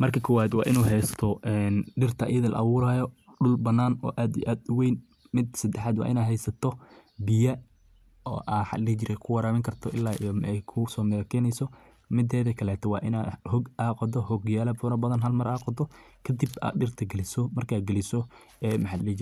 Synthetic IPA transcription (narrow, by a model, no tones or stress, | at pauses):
mɐrkʰɐkʰɔwaːd̪wɑ̰ːʔɪnuːɦɛjst̪ʰɔʔɛnɖɪrt̪ʰɐ̰ːjɐðɐlɐ̰ʔɑβʊːɾaːjɔɖʊlbɐnːaːnɔ̰ːʔaːd̪ḭʔaːd̪ʊwejn | mɪd̪sɐd̪ɛħaːd̪wɑ̰ːʔɪ̰naːd̪ɦɛjsɐt̪ʰɔ | bɪjɐ | ɔ̰ːʔaːħɑ̰d̪lɛːt͡ʃɪɾʔɛkʰʊwɐɾaːmɪŋkʰɐrt̪ʰɔʔɪlːaːijmɛjkʰʊsɔːmɛɣɐkʰɛːnɛjsɔ | mɪd̪ɛːðɐkʰɐlɛːt̪ʰɔwɑ̰ːʔɪnaːhɔɡʔaːqɔd̪ɔhɔɡjaːlɐbʊnɐbɐðɐnɦɐlmɐɾaːqɔd̪ɔ | kʰɐd̪iba̰ːɖɪrt̪ʰɐɡɐlɪsɔmɐrkʰaːd̪̚ɡɐlɪsɔ | ɛːmɐħɑlɛt͡ʃɪɾ